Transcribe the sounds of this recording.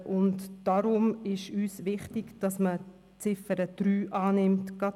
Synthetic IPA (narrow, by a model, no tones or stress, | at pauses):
ʔʊntd̥aɾʊmɪʃyːsvɪχtɪɡd̥ɑsmə | t͡sɪfəɾəd̥ɾyːʔɑːnɪmtɡ̥ɑt